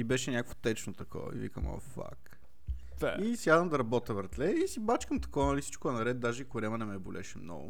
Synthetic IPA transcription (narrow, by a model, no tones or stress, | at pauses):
ibɛʃɛnʲakvo̥t̪ɛt͡ʃnot̪ɐkɔ̰ḭvḭkə̰mo̰fa̰k | aisiad̪əmd̪ɐɾɐbɔt̪əvəɾt̪lɛisibat͡ʃkəmt̪ɐ̥kɔvnɐlisi̥t͡ʃkʊɛnɐɾɛt̪̚d̪aʒɛikʊɾʲɛmɐnɛmɛbolʔɛ̰ʃɛmnɔ̰ɡʊ̰